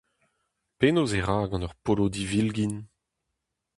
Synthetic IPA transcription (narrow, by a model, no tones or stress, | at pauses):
peːnoːzeʁaːɡɑ̃nœʁpolod̪ivilɡin